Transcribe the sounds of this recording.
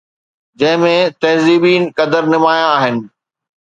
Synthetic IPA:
d͡ʑɐ̃ɦɪ̃mẽt̪ɐɦziːbiːnkɐd̪əɾnɪmaːjãaːɦɪnɪ̆

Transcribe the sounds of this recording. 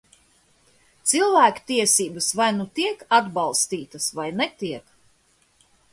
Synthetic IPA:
t̪silˠvæːku̥t̪iɛsiːbəsvajnut̪iɛkad̪bɑlˠst̪iːt̪ɐsvajnɛt̪iɛk

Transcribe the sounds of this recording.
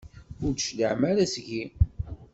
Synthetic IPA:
ʊɾd̪ʃləʕmæɾæsʝi

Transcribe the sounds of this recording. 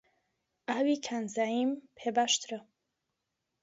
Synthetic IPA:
aːwikʰaːnzaːjimpʰebaʃt̪ʰɾɐ

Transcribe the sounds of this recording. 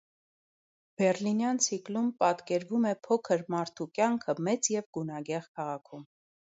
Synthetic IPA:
b̥ɛrlinjɑnt͡sʰiklumpɑt̪kɛɾvumɛpʰɔkʰəɾmɑɾt̪ʰukʲjɑŋkʰəmɛt͡sjɛvɡunɑɡɛʁkʰɑʁɑkʰum

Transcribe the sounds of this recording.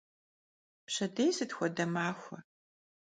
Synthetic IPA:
pɕɐdejsɨtxʷɔdɐmaːxʷɐ

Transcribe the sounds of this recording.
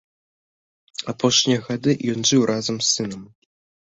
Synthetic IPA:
apɔʂnʲijɐɣad̪ɨjɔnʐɨwɾʔazɐmsːɨnɐm

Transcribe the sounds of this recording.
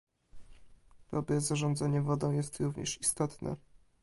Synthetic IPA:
b̪̥ɔbɛzaʐɔnd̪zaɲɛvɔd̪ɔ̃w̃jɛst̪ɾuvɲɛ̰ʂist̪ɔt̪nɛ̰

